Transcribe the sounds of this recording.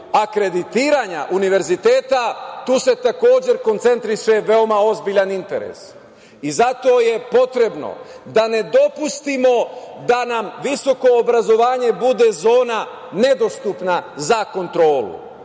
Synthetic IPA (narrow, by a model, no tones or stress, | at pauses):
akɾe̞d̪it̪iːɾaɲa̰ʔuniʋe̞ɾzit̪e̞ːt̪at̪uːse̞t̪ako̞ːd͡ʑe̞ɾko̞nt̪se̞nt̪ɾiʃe̞ʋe̞o̞mao̞zbiʎanint̪e̞ɾḛs | izat̪o̞je̞po̞t̪ɾe̞bno̰d̪ane̞d̪o̞pust̪imo̞d̪anamʋiso̞ko̞ːbɾazo̞ʋaːɲe̞bud̪e̞zo̞ːna | ne̞d̪o̞st̪upnazako̞nt̪ɾo̞ːlṵ